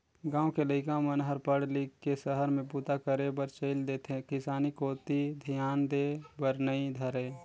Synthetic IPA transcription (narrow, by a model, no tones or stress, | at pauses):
ɡãːwõkeləɪkãmənɦəɾpəɽlikːesəɦəɾmẽpuːt̪akəɾebəɾt͡ʃeɪld̪eːt̪ʰẽkɪsaːnikoːt̪id̪ʱijaːnd̪eːbəɾnəid̪ʱəɾeː